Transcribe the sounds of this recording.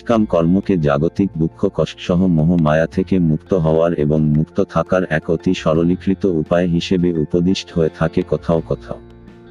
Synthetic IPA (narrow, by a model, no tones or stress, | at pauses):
kamkɔɾmoked͡ʑa̰ɡot̪ik̚b̪ukʰːokɔʃʈʃɔɦomɔɦomaeat̪ʰekemukt̪oɦɔoaɾḛboŋmukt̪ot̪ʰakaɾɛkot̪iʃɔɾolikʰɾit̪oupaeɦiʃebeupod̪iʃʈɦoet̪ʰakekɔt̪ʰaokɔt̪ʰa̰o